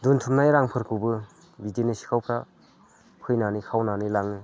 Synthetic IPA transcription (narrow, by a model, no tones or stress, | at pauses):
duntʰumnajɾaŋpʰɯɾkʰubɯ | bidenisi̥kʰawpʰɾa | pʰɯjnanikʰawnanilaŋɯ